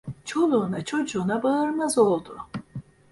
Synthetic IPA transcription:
t͡ʃʰo̞lˠuːnat͡ʃʰo̞d͡ʒuːnabaɯɾmazo̞lˠd̪u

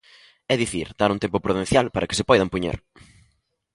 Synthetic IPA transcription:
ɛðiθiɾd̪aɾuŋt̪empʊpɾuðẽnθjalpaɾɐkɪsɪpɔjðɐmpuɲḛɾ

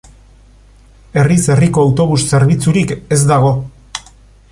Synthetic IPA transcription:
e̞rise̞riko̞awt̪o̞β̞usse̞ɾβ̞it͡suɾike̞zd̪aɣ̞o̞

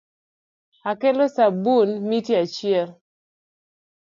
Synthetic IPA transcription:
akelosabunmitjat͡ʃɪɛl

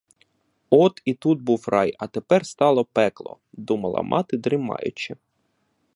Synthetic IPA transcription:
ɔt̪it̪ud̪̚buwrɑjɐt̪epɛrst̪ɑlˠɔpɛklˠɔ̰ | d̪umɐlˠɐ̰mʔɑ̰t̪ɪd̪ɾɪmɑ̰jʊ̰t͡ʃɪ

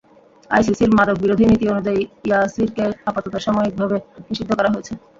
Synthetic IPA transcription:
a̰js̬isiɾmad̪ok̚biɾod̪ʱinit̪ionud͡ʑaiasiɾkeapat̪ot̪aʃɔmoik̚bʱabeniʃid̪ʱːokɔɾaɦoet͡ɕʰe

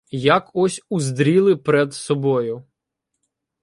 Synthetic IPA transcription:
jakɔsʲuzd̪ɾʲilˠɪpeɾɛd̪sɔbɔjʊ

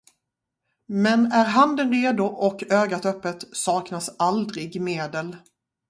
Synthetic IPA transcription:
mɛnæɾɦand̪ənɾeːd̪ʊʔɔkøːɡat̪œpːət̪sɑːknasald̪ɾɪɡmeːd̪əl

